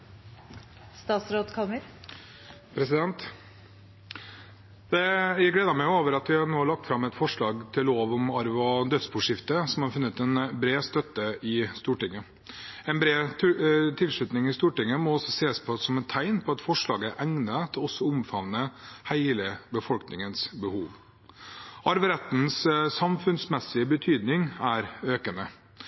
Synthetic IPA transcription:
st̪ɑːt̪sɾoːt̪kʰɑlməɾ | pʰɾɛsɪd̪ɛnt̪ | d̪̥ɛjæɪɡleːd̪ɑmɛoːʋəɾɑt̪ʋɪhɑnoːlɑk̚t̪fɾɑmːɛt̪fɔʂɭɑːɡt̪ʰɪlːoːʋɔmɑɾʋɔd̪œt̪spʰuːʂɪft̪əsɔmhɑɾfʉnːət̪ɛnbɾeːst̪œt̪ːəɪst̪uːʈɪŋːə | ɛnbɾeː | t̪ʰɪlʂɭʉt̪nɪŋɪst̪uːʈɪŋːəmɔɔsɔseːspʰɔsɔmɛt̪ʰːæɪnpʰɔɑt̪fɔʂɭɑːɡəʔæŋnət̪ʰɪɔsːɔʊmfɑʋnːəhæɪləbəfɔlknɪŋənsbəhuːʋ | ɑɾʋəɾɛt̪n̩ssɑmfʉnsmɛsɪəbət̪ʰyːd̪nɪŋæɾøːkənə

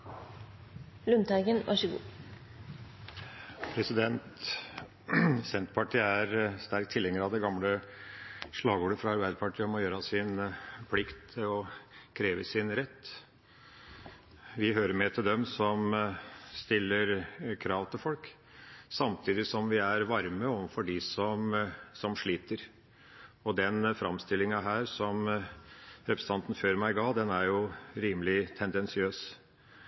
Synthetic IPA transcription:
lʉnt̪æɪɡənʋɑ̰ʂəɡṵː | pʰɾɛsɪd̪ɛnt̪ | sɛnt̪pʰɑʈʰiːæɾst̪æɾk̚t̪ʰɪlɛŋːəɾɑʋd̪ɛɡɑmlə | ʂɭɑːɡoːɖəfɾɑɑɾbæɪd̪əpɑʈʰiːəɔmːɔjøːɾɑsɪnpʰlɪkt̪ʰɪlɔkʰɾeːʋəsɪnɾɛt̪ː | ʋɪɦøːɾəɾmɛt̪ʰɪld̪ɛmsɔm | st̪ɪlːəɾkʰɾɑːʋt̪ʰɪlfɔlk | sɑmt̪ʰiːd̪ɪsɔmʋɪæɾʋɑɾməɔːʋənfɔɖɪsɔmsɔmʂɭiːt̪əɾ | ɔd̪ɛnfɾɑmst̪ɪlːɪŋɑɦæːɾsɔm | ɾɛpɾəst̪ɑnt̪n̩føːɾmæɪɡɑːd̪ɛnæɾjʊɾiːmlɪt̪ʰɛnd̪ɛnsɪøːs

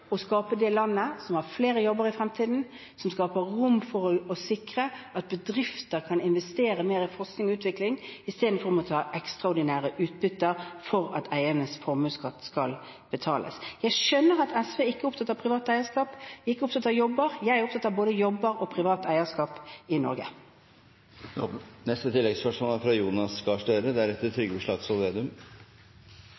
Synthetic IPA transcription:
ɔskɑːpəd̪ɛlɑnːəsɔmhɑɾfleːɾəjɔbəɾɪfɾɛmt̪ʰiːd̪n̩ | sɔmskɑːpəʁʊmːfɔɾɔsɪkɾəʔɑt̪̚bəd̪ɾɪft̪əɾkʰɑnɪnʋɛst̪eːɾəmeːɾɪfɔɾsknɪŋɔʉːt̪ʋɪklɪŋɪst̪eːd̪n̩fɔɾɔmɔt̪ʰɑːʔɛkst̪ʁɑʊɖ̪ɪnæːɾəʔʉːt̪̚bʏt̪ːəɾfɔɾɑ̰t̪ʰæɪənəsfɔɾmʉːskɑt̪ːskɑ̰l | b̥ət̪ʰɑːlʔə̰sjæɪʃœnːəʁɑt̪ʰɛsʋeːɪkːəʊpt̪ʰɑt̪ːəpʰʁɪʋɑːt̪æɪəskɑːpɪkːəʊpt̪ʰɑt̪ːɑjɔbːəʁjæɪɾʊp̪̚ʰɑt̪ːəboːd̪əjɔbːəɾɔpʰʁɪʋɑːt̪æɪəskɑːpɪnɔ̰ɾɡə̰ | nɛst̪ət̪ʰɪlːɛɡspœʂmoːlæɾfɾɑjuːnɑskɑʂʈøːɾəd̪ɛæɾɛt̪ːət̪ʰɾʏɡːəbəʂlɑːɡsɔlʋeːd̪ʉm

